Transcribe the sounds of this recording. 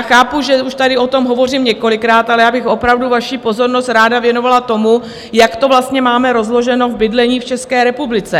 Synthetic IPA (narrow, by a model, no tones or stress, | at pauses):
xaːpuʒɛuʃt̪adɪo̞t̪o̞mɦo̞vo̞riːmɲɛko̞lɪkɾaːt̪alɛjaːbɪxo̞pɾavduvaʃiːpo̞zo̞ɾno̞st̪ɾaːdavjɛno̞valat̪o̞mu | jakt̪o̞vlast̪ɲɛmaːmɛɾo̞zlo̞ʒɛno̞vbɪdlɛɲiːft͡ʃɛskɛːɾɛpublɪt͡sɛ